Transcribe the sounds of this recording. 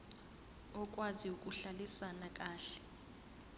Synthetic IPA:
ɔk̬ʼwaziukʼuɬalisanak̬ʼaːɬɛ̥

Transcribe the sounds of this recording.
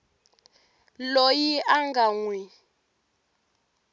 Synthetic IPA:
lojiʔaŋɡaŋwi

